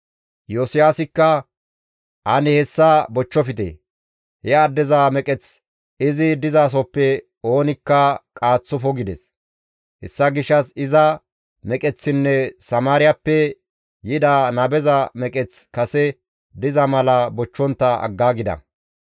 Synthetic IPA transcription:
josɪjaːsɪkːɐ | ʔɐnɪhɛsːɐbɔt͡ʃːɔfɪt̪ḛː | hɛɐd̪ːɛzamɛkʼɛt͡s | ɪzɪd̪ɪzaːs̬ɔpːɛ | o̞ːnɪkːɐkʼaːt͡sːɔfɔɡɪd̪ɛs | hɛsːɐɡɪʃːɐsɪzɐ | mɛkʼɛt͡sːɪnːɛsɐmaːɾɪjɐpːɛ | jɪd̪aːnɐbɛzɐmɛkʼɛt͡skɐsɛ | d̪ɪzɐmɐlɐbɔt͡ʃːɔnt̪ːɐʔɐ̰ɡːaːɡɪd̪ɐ̰

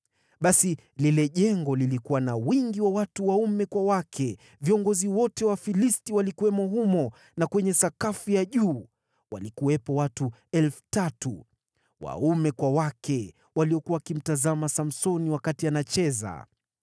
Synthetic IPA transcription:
ɓasi | lilɛʄɛŋɡɔlilikuwanawiŋɡiwawatuwaumɛkwawakʰɛ | viɔŋɡɔziwɔtɛwafilistiwalikuwɛmɔɦumɔ | nakwɛɲɛsakafujaʄuː | walikuwɛpɔwatu | ɛlfu̥tatṵ | wa̰umɛkwawakɛ | waliɔkuwaakim̩tazamasam̩sɔniwakatianat͡ʃɛza̰

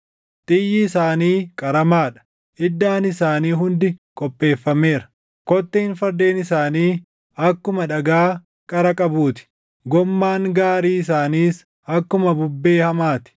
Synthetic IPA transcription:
t̪ʼɪjːɪːsaːniːkʼɐɾɐmaːᶑɐ̥ | ɪd̪ːaːnɪsaːniːɦʊnd̪ɪkʼɔpʼːe̞ːfːɐme̞ːɾɐ̥ | kɔt̪ːehɪnfɐɾd̪e̞ːnɪsaːniː | ɐkːʊmɐᶑɐɡaː | kʼɐɾɐkʼɐbuːt̪ɪ̥ | ɡɔmːaːŋɡaːɾiːɪs̬aːniːs | ɐkːʊmɐbʊbːe̞ːhɐmaːt̪ɪ̥

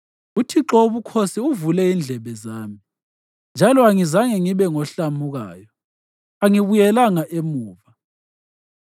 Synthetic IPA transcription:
utʰiǁoβukʰosiuvulɛind͡ɮʱɛβɛzaːmi | nd͡ʒʱalɔaŋizaŋɛŋiβɛŋɔɬamuɣa̰ːjɔ | aŋiβujɛlaŋaʔemuːva

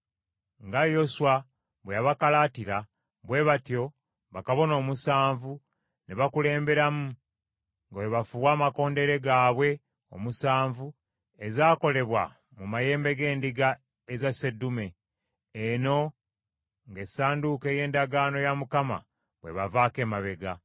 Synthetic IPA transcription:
ŋɡajo̞suwa | βweaβakalatiɾa | βwe̞βatjo̞ | βakaβo̞no̞ːmusaːɱvu | neβakule̞ːmbe̞ɾamu | ŋɡaweβafuβwaːmako̞ːnde̞ɾe̞ɡaːβwe̞ | o̞̰musaːɱvu | ezaːko̞le̞βwa̰ | mumaje̞ːmbe̞ɡe̞ːndiɡa | ezase̞dːume̞ː | no̞ | ŋɡe̞saːnduke̞ːje̞ːndaɡaːno̞jamukama̰ | βwe̞̰βavaːke̞ːmaβe̞ɡa

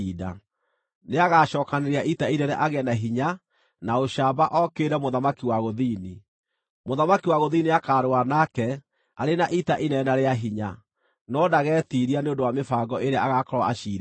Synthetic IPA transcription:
ida̰ | neaɣaʃɔːkaneɾeaʔitainɛɾɛʔaɣɛnaɦiɲa | naoɕaːbaʔɔkeɾɛmoðamakiwaɣoðiːni | moðamakiwaɣoðiːniakaɾoanakɛ | aɾenaʔitaʔinɛnaɾeaɦiɲa | nɔdaɣɛːtiːɾianeondowamefaːɡɔeɾeaaɣakɔɾwaaʃiːɾ

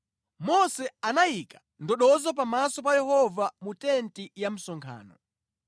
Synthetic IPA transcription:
mɔsɛanajikḁ | ndɔɗɔzɔp̬amasɔpajɛhɔvamutɛntijam̩sɔŋkʰa̰ːnɔ̰

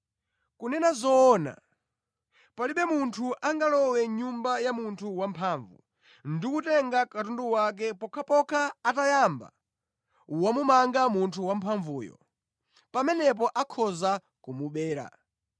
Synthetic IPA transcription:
kunɛnazɔːna̰ | paliɓɛmuntʰuʔaŋɡalɔwɛɲumbajamuntʰuwampʰaːɱvṵ | ndikutɛŋɡakatunduwak̬ɛpɔkʰapɔkʰaːtajamba̰ | wamumaŋɡamuntʰuwam̩pʰaɱvuːjɔ̰ | pamɛnɛp̬ɔʔakʰɔza | kumuɓɛːɾa̰

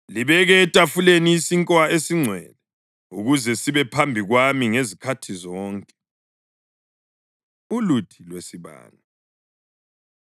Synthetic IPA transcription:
liβɛɣɛːtʼafuleniːsiŋkʼwaesiŋ͡ǀʱwɛ̰lɛ | uɣuzɛsiβɛpʰambʱiɣwamiŋezikʰatʰizɔːŋkʼɛ | ulutʰilwesiβa̰ːna

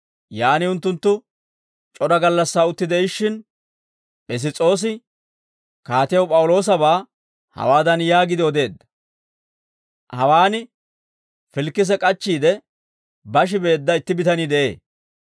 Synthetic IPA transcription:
jaːnɪʊnt̪ːʊnt̪ːʊ | t͡ʃʼɔd̪ɐɡɐlːɐsːaːʊt̪ːɪd̪ɛɪʃːɪn | ʔɛs̬ɪt͡sʼo̞ːs̬ɪ | kaːt̪ɪjɐwpʼɐwʊlo̞ːs̬ɐbaː | hɐ̰waːd̪ɐnjaːɡɪd̪ɪɔd̪e̞ːd̪ːɐ̥ | hɐwaːnɪ | fɪlkːɪs̬ɛkʼɐt͡ʃːiːd̪ɛ | bɐʃ̬ɪbe̞ːd̪ːɐɪt̪ːɪbɪt̪ɐniːd̪ɛʔe̞̰ː

